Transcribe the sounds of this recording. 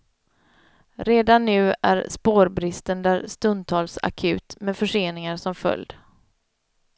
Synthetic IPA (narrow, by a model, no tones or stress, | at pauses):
ɾeːd̪anːʉ̟ːæ̰ɾspoːɾbɾɪst̪ənd̪æɾst̪ɵnd̪̚t̪ʰɑːlsa̰kʰʉ̟ːt̪mɛd̪fœʂeːnɪŋaɾʂɔmfœ̰ljd̪